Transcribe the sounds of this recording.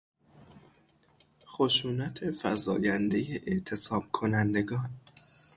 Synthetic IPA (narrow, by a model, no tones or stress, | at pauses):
xo̞ʃuːnæt̪ʰe̞fæ̰zɒ̰ːjænd̪e̞jeʔeʔt̪ʰe̞sɒːb̥̚kʰo̞nænd̪e̞ɡɒːn